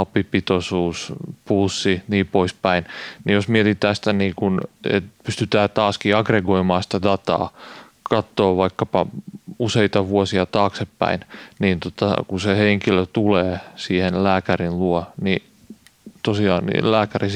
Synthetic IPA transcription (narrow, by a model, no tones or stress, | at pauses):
ɑpipit̪osuːspusːiniːpoispæinnijosmiet̪it̪æːst̪æniːkunḛt̪pyst̪yt̪æːt̪ɑːskiɑɡreɡoimɑːsi̥t̪ædɑt̪ɑ̰ː | kɑt̪ːoːʋɑikːɑpɑuseit̪ɑʋuosiɑt̪ɑːksepːæ̰inniːnt̪ot̪ɑ̰kuseheŋkiløt̪uleːsiːhenlæːkærinluɔni | t̪osiɑːnnḭlæːkæri